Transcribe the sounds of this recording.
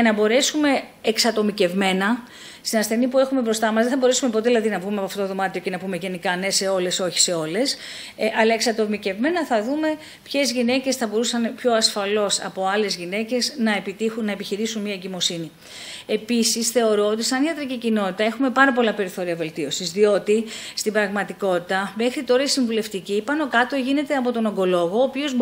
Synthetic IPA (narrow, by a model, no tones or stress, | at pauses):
ɐnɐbo̞ɾe̞sume̞ːksɐt̪o̞mice̞vme̞nɐ | st̪inɐsθe̞nipue̞xumebɾo̞st̪ɐmɐszðeθɐbo̞ɾe̞sume̞pot̪eilɐðinɐvɣumeɐpoɐft̪ot̪oðo̞mɐt̪ioce̞nɐpume̞ʝe̞nikɐne̞se̞o̞le̞so̞çi̥se̞o̞le̞s | ʔɐlɐeksɐt̪o̞mice̞vme̞nɐθɐðume̞ | pçe̞zʝinece̞sθɐbo̞ɾusɐnpço̞ɐsfɐlo̞sɐ̰po̞ɐle̞zʝine̞ce̞snɐe̞pit̪ixunːɐepiçiɾisunmiɐeɲɟimo̞sini | e̞pisisθe̞o̞ɾo̞ot̪̬isɐniɐt̪ɾicicino̞t̪it̪ɐe̞xume̞pɐɾɐpo̞lɐpe̞ɾiθo̞ɾiɐve̞lt̪io̞sizðio̞t̪ist̪ibɾɐɣmɐt̪iko̞t̪it̪ɐme̞xɾit̪o̞ɾɐisiɱvule̞ft̪icipɐno̞kɐt̪o̞ʝine̞t̪e̞ɐpo̞t̪o̞noŋɡo̞lo̞ɣoːpio̞z